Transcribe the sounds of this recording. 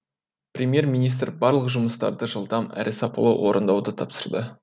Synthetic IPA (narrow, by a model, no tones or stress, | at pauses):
prʲemʲje̞ɾmijnijst̪rbɑɾlˠəqʒʊməst̪ɑ̰ɾd̪əʒəlˠd̪ɑmæ̰ɾʔɪsɑpo̰lˠowʔo̞ɾʔənd̪ɑwd̪ət̪ʰɑpsə̥ɾd̪ə